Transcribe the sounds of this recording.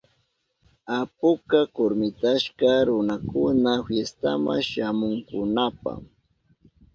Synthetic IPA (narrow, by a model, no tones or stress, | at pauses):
apʊkakoɾmɪt̪aʃkaɾʊnakʊnafjest̪a̰ma̰ʃamʊŋkʊnapa̰ŋ